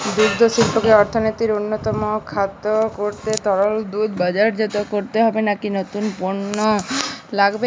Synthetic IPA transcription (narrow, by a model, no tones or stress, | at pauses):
d̪uɾd̪ʱosilpʰokeɔɾt̪ʰonot̪iɾonːot̪ɔmokʰat̪okoɾt̪et̪ɔɽold̪ud̪bad͡ʑaɾd͡ʑet̪okoɾt̪eɦɔbenakinot̪unpoɾnolaɡbe